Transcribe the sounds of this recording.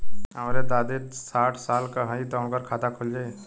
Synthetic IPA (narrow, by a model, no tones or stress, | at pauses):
ɦəmɾet̪aːd̪eɾsaːʈʰsaːlkaɦə̃it̪əʊnkəɾkʰaːt̪akʰold͡ʒaːe